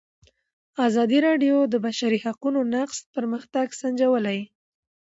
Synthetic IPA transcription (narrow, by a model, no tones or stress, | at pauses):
azɑd̪iɾɑɖjod̪əbaʃaɾihaqunonaqspəɾməxt̪aɡsand͡ʒawəlaj